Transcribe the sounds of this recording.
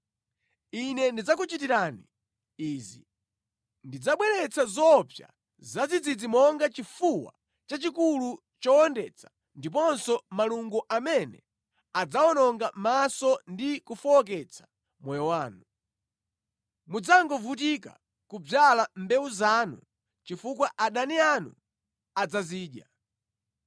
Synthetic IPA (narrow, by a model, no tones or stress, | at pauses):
inɛndid͡zak̬ut͡ʃit̬iɾaːni | iːzi | ndid͡zaɓwɛɾɛt͡sazɔpja̰ | zad͡zid͡zid͡zimɔŋɡat͡ʃifuwa̰ | t͡ʃat͡ʃikulu | t͡ʃɔɔndɛt͡sʰḁ | ndip̬ɔnsɔmaluŋɡuʔamɛnɛ̰ | ad͡zaɔnɔŋɡamasɔndikufɔɔk̬ɛt͡sʰḁ | mɔjɔwaːnu | mud͡zaŋɡɔvut̬ika̰ | kub͡ʐalambɛuzaːnṵ | t͡ʃifukwaʔaɗanianṵ | ad͡zaziːɗja̰